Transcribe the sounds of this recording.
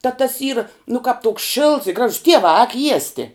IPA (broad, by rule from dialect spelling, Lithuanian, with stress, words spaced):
tɑː tɐs iːrɐ nʊ kɑːp toːk ʃʲɪlˠts ɪ ˈɡrɑːʒʊs ˈtʲiɛʋɑː ɑːk ˈjiɛsʲtʲɪ